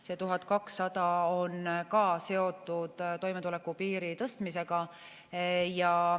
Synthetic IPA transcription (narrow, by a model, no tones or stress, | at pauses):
se̞t̪uɦɑd̪̥̚kɑksːɑd̪̥ɑo̞nkɑːse̞o̞t̪ːˑud̪̥t̪o̞jme̞t̪ule̞kːupiːɾit̪ɤst̪mise̞ɡ̥ɑ | jɑ